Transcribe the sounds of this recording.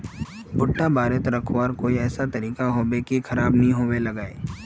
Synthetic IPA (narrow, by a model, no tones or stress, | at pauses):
bʊʈːabaːɾet̪ɾɐkʰwaːɾkoːiɛːsat̪ɐɾiːkaɦoːbekikʰɐɾaːbnɐɦĩɦoːwelɐɡaːḛː